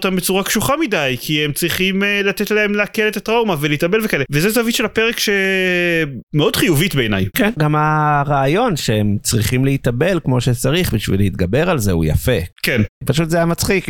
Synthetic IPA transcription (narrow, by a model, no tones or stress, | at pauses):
t̪ambet͡suʁakʃuχamidajkʰiemt͡sʁiχimlat̪et̪laemleakele̞t̪at̪ʁawmaveleit̪abe̞lvekaʔelevezetavitʃelapeʁekʃe | meo̞d̪χijuvit̪be̞ːnajkenɡamaʁaːjo̞nʃeemt͡sʁiχimleit̪abe̞lkmo̞ʃet͡saʁiχbiʃvḭleit̪ɡabe̞ʁalze̞̰ṵja̰fekenpaʃut̪zejamat͡sχik